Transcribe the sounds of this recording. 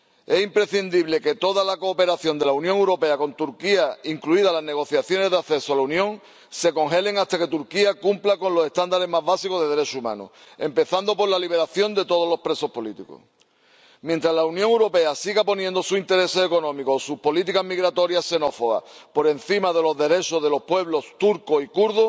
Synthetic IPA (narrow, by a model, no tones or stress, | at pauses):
e̞simpɾe̞θind̪iβle̞ke̞t̪o̞ðalako̞ːpe̞ɾaθjo̞nd̪e̞launjõŋewɾo̞pe̞ako̞nt̪uɾkiaiŋkluiðalazne̞ɣo̞θjaθjo̞ne̞zðeaθe̞soalaunjõ̞ŋ | se̞ko̞ŋɦe̞le̞ŋast̪aket̪uɾkiakumplako̞nlo̞se̞st̪and̪aɾe̞maɦβasikoðe̞ðe̞ɾe̞t͡ʃoumã̰nṵ | e̞mpe̞θand̪o̞po̞ɾlaliβ̞e̞ɾaθjo̞nd̪e̞t̪o̞ð̞olo̞hpɾe̞so̞hpo̞lit̪iko̰ | mjent̪ɾazlaunjõŋewɾo̞pe̞asiɣapo̞njẽnd̪osuint̪e̞ɾe̞se̞ːko̞nõmikosuhpo̞lit̪ikaɦmiɣɾat̪o̞ɾjase̞no̞fo̞ɣa̰po̞ɾe̞n̟θimaðe̞lo̞zðe̞ɾe̞t͡ʃo̞ðe̞lo̞hpwe̞βlo̞st̪uɾkoikuɾðo